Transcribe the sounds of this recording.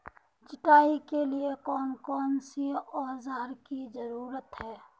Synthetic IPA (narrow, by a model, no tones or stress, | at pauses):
t͡ʃɪʈaːikeliekɔːnkɔːnsiɔːɾzaːɾkizəɾuːɾət̪ɦɛː